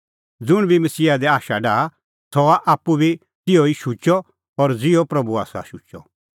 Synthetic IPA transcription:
d͡zʊɽ̃bʱimɐsiːad̪ɛaːʃaɖaː | sʰɔaʔaːpːubʱi | t̪ɪjoiʃut͡ʃɔ | ɔɾd͡zɪjɔpɾɐbua̰ːsa̰ʃut͡ʃɔ̰

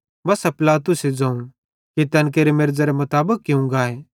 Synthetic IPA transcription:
bɐsapɪlaːt̪ʊsed͡zãːũ | kit̪ɛ̃ːnk̬eːɾemɪɾd͡zaɾemɐt̪aːbəkːɪũŋɡaːeː

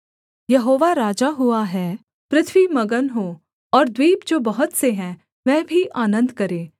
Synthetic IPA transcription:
jɐɦoːʋaɾaːd͡ʒaɦʊaɦɛː | pɾɪt̪ʰwimɐɡənɦoː | ɔːɾd̪wiːbd͡ʒoːbɐɦʊt̪seɦɛ̃ | ʋɛ̃ːbʱiʔaːnə̃nd̪kɐɾẽː

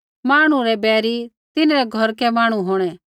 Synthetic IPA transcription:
maːɽ̃uɾɛbɛːɾi | t̪ɪnɾɛɡʱɔɾkɛmãːɽ̃uɦoːɽ̃ɛ

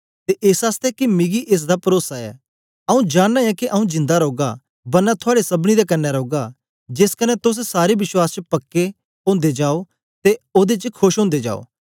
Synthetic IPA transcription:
t̪eʔeːsaːst̪ɛkimɪɡiʔeːs̬d̪apɐɾoːsaɛ̰ː | ɐũd͡ʒaːnːãɛ̃kiʔɐũd͡ʒɪ̃nd̪aɾoːɡa | bɐnːat̪ʰʊaːɽesɐbɽ̃id̪ekɐnːɛɾoːɡa | d͡ʒeskɐnɛt̪ʊs̬saːɾebɪʃwaːst͡ʃəpɐkːe | õːnd̪ed͡ʒaːo | t̪eoːd̪et͡ʃkʰoʃɦʊ̃ːnd̪ed͡ʒa̰ːo̰ː

